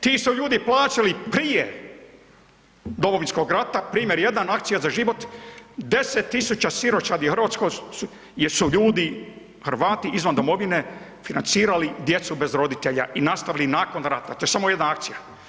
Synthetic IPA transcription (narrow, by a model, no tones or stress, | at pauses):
t̪iːsuʎuːd̪iplˠaːt͡ʃalipɾije | d̪o̞mo̞ʋinsko̞ɡɾat̪apɾiːmje̞ɾje̞d̪anakt̪sijazaʒiʋot̪d̪e̞set̪ːisut͡ɕasiɾo̞t͡ʃad̪ixrɾʋaːt̪sko | suʎuːd̪i | xrɾʋaːt̪iizʋand̪omo̞ʋine̞ | finant̪siːɾalid̪je̞t̪sube̞zɾo̞d̪it̪e̞ʎa̰ʔinast̪aʋilinaːko̞nɾat̪at̪o̞je̞samoje̞d̪naak̚t̪sija